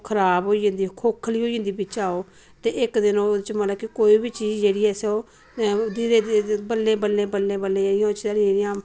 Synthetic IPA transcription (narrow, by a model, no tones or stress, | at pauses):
kʰəɾaːbɦoːiə̃nd̪iːkʰoːkʰːliːɦoːid͡ʒə̃nd̪iːbɪt͡ʃaːoː | t̪eːɪkd̪ɪnõːt͡ʃmət̪ləbkikoːiːbiːt͡ʃiːzd͡ʒeːɽiːɛːseoː | d̪iɾeːbəlːẽːbəlːẽːbəlːẽːbəlẽːd͡ʒeːɽɪjãot͡ʃ̪aːɽĩd͡ʒeːɽɪjãː